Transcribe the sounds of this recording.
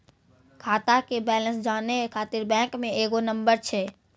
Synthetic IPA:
kʰaːt̪akebɛːlə̃nsd͡ʒaːneekʰaːt̪ɪɾbɛ̃ːŋkmẽeːɡonə̃mbəɾt͡ʃʰɛː

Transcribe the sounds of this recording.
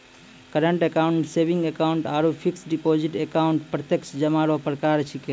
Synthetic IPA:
kəɾəɳʈekauɳʈsebiŋɡekauɳʈaɾupʰiksɖipod͡ʒiʈekauɳʈpɾət̪jəksd͡ʒəmaɾopɾəkaɾt͡ʃʰike

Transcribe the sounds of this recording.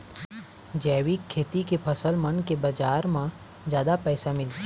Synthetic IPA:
d͡ʒɛːwikʰːeːt̪ikepʰɐsəlmənkebɐd͡ʒaːɾmã | zjaːd̪apɛːsamɪlt̪i

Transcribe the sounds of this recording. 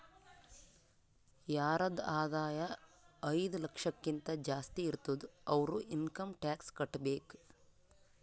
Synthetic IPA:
jaːɾɐd̪aːd̪aːjɐɐjd̪ulɐkʂɐkːint̪ɐd͡ʒaːst̪iːɾt̪ud̪uɐʋɐɾuinkɐmʈaːkskɐʈːbeːk

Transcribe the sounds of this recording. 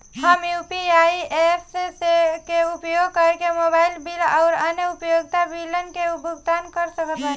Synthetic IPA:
həmjupiaiepʰssekeupjoɡ̚kəɾkemobailbilaʊɾənjəupjoɡt̪abilənkeubʱuɡt̪ankəɾsəkət̪ə

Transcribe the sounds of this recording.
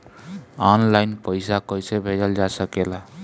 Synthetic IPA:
ɔnlajnpəjsakəjsebʱed͡ʒəld͡ʒasəkela

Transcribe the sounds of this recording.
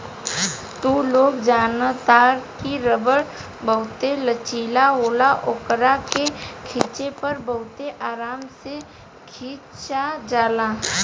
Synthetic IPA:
t̪uloːɡd͡ʒaːnt̪aːɾkiɾəbəɽ | bəɦʊt̪elət͡ʃiːlaɦoːlaʔʊkɾakekʰiːt͡ʃepɐɾbəɦʊt̪eʔaːɾaːmse | kʰiːt͡ʃad͡ʒaːlãː

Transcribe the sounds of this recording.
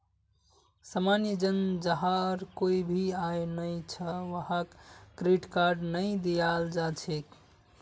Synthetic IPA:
səmanid͡ʒənd͡ʒəɦaɾkoibʱiajnəjt͡ʃʰəʋəɦakːɾiʈkaɾɖnəjd̪ijald͡ʒat͡ʃʰek

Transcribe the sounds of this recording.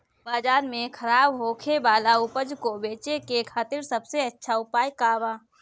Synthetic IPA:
baːd͡ʒaːɾmẽkʰəɾaːbɦoːkʰebaːlaʊpəd͡ʒkobeːt͡ʃekekʰaːt̪ɪɾsɐbseɐtːʃʰaʊpaːjkaːbaː

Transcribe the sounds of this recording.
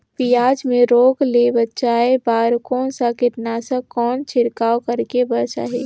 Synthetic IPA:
pijaːd͡ʒmẽɾoːɡlebətːʃaebaːɾkɔːnsakɪt̪nasə̃kɔːnt͡ʃʰɪɾkaːwkəɾkebəɾt͡ʃa̰ːɦeː

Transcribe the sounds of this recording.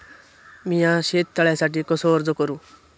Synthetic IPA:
mijãʃeːt̪ːaɭɛsaːʈ̬ikɔsoːɾd͡zokɔɾu

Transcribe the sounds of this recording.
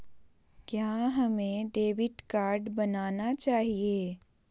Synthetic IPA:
kjaːɦɐmẽɖeːʋɪʈkaːɾɖbɐnaːnat͡ʃaːɦieː

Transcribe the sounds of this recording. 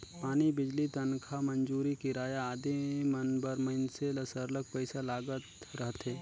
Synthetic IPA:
paːnibɪd͡ʒlit̪ənkʰamɐnd͡ʒuːɾikiɾaːjaaːd̪imɐnbəɾmɐɪnseləsəɾlək̚pəɪsalaːɡət̪ɾəɦt̪ɦeː

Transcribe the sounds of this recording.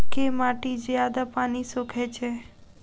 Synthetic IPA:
kemaʈid͡ʒjad̪apaːnisokʰet͡ʃʰe

